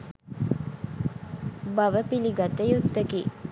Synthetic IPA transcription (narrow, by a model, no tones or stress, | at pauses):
baʋəpiliɡɐt̪ejut̪ːəkḭː